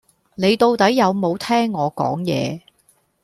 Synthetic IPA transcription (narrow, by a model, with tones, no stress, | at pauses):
ne˨˧jt̪o˧wt̪ɐ˨˥jːɐ˨˧wmo˨˧wt̪ʰɛː˥ŋːɔː˨˧kɔ̰ː˨˥ŋjɛ̰ː˨˧